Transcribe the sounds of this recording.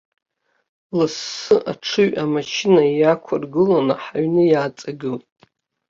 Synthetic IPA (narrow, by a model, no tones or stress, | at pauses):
lɨsːɨʔa̰ʈ͡ʂʰɨɥʔamaʃɪnaijakʷʰarɡɨlonaħaɥnɨjaːt͡sʼaɡɨlʼ